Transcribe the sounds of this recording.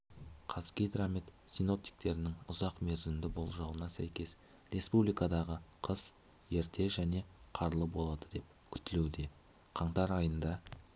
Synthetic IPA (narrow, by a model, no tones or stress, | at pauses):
qʰɑskʲijd̪ɾamit̪sijno̞p̚t̪i̥jk̚t̪e̞ɾɪnɪŋʊzɑqme̞ɾzɪmd̪ɪbo̞lˠʒɑlˠənɑsæ̰jkʲe̞s | ɾe̞spublijkɑd̪ɑʁəqʰəz | je̞ɾt̪ʰe̞ʒæne̞qʰɑɾlˠəbo̞lˠɑd̪əd̪e̞p̚ | kʲʰʏt̪ɪlewd̪e̞ | qʰɑɴt̪ɑɾɑjənd̪ɑ